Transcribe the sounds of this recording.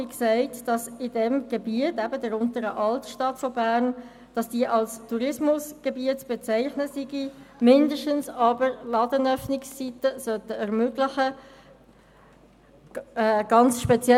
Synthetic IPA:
iksæɪtd̥ɑsɪdɛmɡ̥ebiətæbədəɾʊntəɾəʔɑltʃtɑtfɔbæːʁn | d̥ɑsd̥iːʔɑlstʰuɾɪsmʊsɡ̥ebiətt͡sb̥et͡sæɪχnəsiɡimɪndəʃtənsɑbəɾlɑdənœfnɪksːitəsœtəɛʁmøːɡlɪχə | ɡ̥ɑnt͡sʃpɛt͡sjɛ

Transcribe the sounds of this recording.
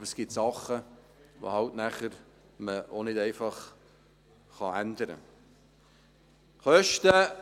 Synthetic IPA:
bəɾsɡ̥ɪtsɑχə | vo̰hɑltnæχəɾ | məonɪtɛɪfɑχ | χɑændəɾə̰ | χœʃtə

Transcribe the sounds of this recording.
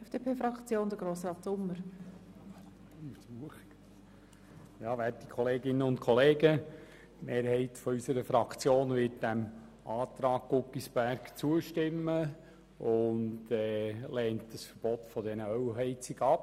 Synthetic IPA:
ɛfd̥eːpʰeːfɾɑkt͡sjoːnd̪əɡɾoːsrɑːtsʊmːəɾ | msuəχ | jɑːʋæt̚d̥ikʰɔleːɡɪnːəʊntkʰɔleːɡə | meːɾhɛɪtfɔysəɾəfɾɑkt͡sjoːnʋɪt̚d̥æm | ʔɑːt̪ɾɑːɡ̚ɡʊkːisb̥æɾɡt͡suəʃtɪmːə | ʊndɛlɛːntd̥əsfəɾb̥ɔtfɔdɛnəœwɦɛɪt͡sɪɡɑp

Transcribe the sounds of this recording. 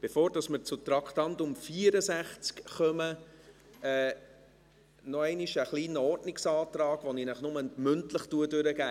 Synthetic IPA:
b̥efoːɾd̥ɑsməɾt͡sʊt̪ɾɑktɑntʊmfiəɾəsæχt͡skχœmə | ɛː | nɔɛɪniʃəχliːnəɔrdnɪksɑːt̪rɑːɡ̥ʋɔninəχnʊməmʏntləχtuədʉɾəɡ̥æː

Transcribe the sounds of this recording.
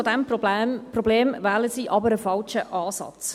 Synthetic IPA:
odɛmprɔbleːmvɛːləsiːʔɑbəɾəfɑlʃəʔɑːsɑ̰t͡s

